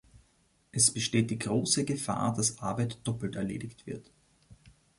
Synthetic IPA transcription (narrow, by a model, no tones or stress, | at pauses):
ʔɛsb̥əʃteːt̚d̥iːɡʁoːsəɡəfa̰ːɐdasʔaɐbæɪtd̥ɔpl̩tɛɐlḛːdɪktv̥ɪɐt